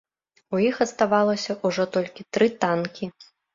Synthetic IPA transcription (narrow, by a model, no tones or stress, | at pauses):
ujixɐt̪st̪avalˠɐsʲɐʔuʐɔt̪ɔlʲkʲit̪ɾɨt̪ankʲi